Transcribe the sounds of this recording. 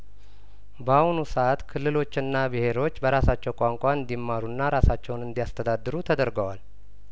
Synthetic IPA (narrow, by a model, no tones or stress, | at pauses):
bahunusəʔat̪kʰɨlːɨlo̞t͡ʃːɪnːabɨhe̞ɾo̞t͡ʃːbəɾasat͡ʃːɛwkʼaŋkʷʼaɨnd̪imːaɾunːaɾasat͡ʃːɛwnɨnd̪ijast̪ʰəd̪ad̪ːɨɾut̪ʰəd̪əɾɡəwal